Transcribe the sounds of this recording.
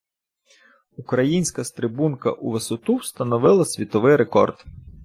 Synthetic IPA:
ukɾɐjinʲsʲkɐst̪ɾɪbunkɐ̰ʔuʋesɔt̪uwst̪ɐnɔʋɪlˠɐsʲʋʲit̪ɔʋɪjɾekɔ̰rd̪̥

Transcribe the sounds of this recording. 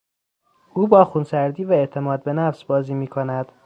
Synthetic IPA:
ʔuːbɒːxuːnsæɾd̪iːvæe̞ʔt̪ʰe̞mɒːd̪̚be̞næfsbɒːziːmiːkʰo̞næd̪̥

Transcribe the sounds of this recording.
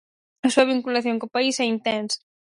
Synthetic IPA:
ɐsuɐβ̞iŋkulaθjõŋkopaisɛint̪ɛnsɐ̥

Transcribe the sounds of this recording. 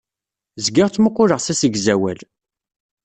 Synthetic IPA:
zɡɪʁt͡sːməqːʊɾəʁsæsəɡzæwæl

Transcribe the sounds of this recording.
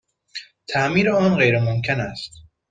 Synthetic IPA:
t̪ʰæʔmiːɾeɒːnɢe̞jɾemomcʰenæst̪

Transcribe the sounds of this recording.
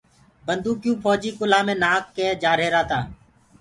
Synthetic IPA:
bənd̪uːkjũːpʰɔːd͡ʒiːkʊlaːmẽːnaːkːeːd͡ʒaːɾeːɾaːt̪aː

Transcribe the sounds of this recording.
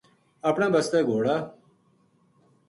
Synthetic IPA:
əpɳãːbəst̪eːɡʱoːɽaː

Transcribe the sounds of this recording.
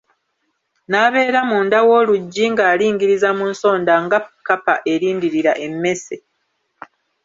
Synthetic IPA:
naβe̞ːɾamuːndawo̞ːluɟːiŋɡaːliːŋɡiɾizamunso̞ːndaŋɡakːapaʔe̞ɾiːndiɾiɾaʔe̞mːe̞se

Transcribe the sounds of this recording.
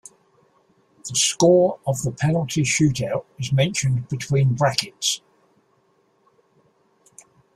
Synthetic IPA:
ðəskɔːɹəvðəpʰɛnəlˠtʰiʃʉˑtaʊtɪzmɛ̃nʃə̃nbɪtʰw̥ĩːnbɹakɪts

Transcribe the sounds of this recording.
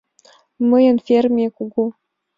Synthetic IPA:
məjə̆nfʲermʲekuɡu

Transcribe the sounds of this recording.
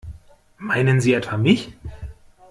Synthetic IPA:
maɪnənziːɛtv̥amɪç

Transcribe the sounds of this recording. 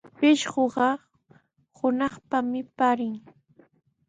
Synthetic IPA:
pɪʃɢoɢɑ | hʊnɑχpamɪpaɾɪŋ

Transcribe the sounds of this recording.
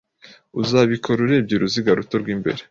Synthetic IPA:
uzaβikʰo̞ɾuɾe̞bɟiɾuziɡaɾuto̞ɾɡwiːmbe̞̰ɾe

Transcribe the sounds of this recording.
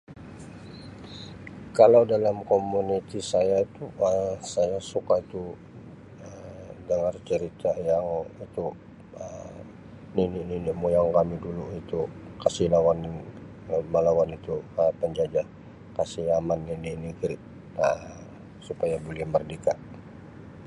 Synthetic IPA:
kalawdalamkomunit̪isajait̪uəsajasukait̪u | ədəŋart͡ʃəɾit̪ajaŋit̪u | ə | ninininiʔmujaŋkamiduluit̪ukasihlawan | məlawanit̪uəpəɲd͡ʒad͡ʒa | kasihamanːininikiɾɪʔ | ə | supajaboliɛhmərdikaʔ

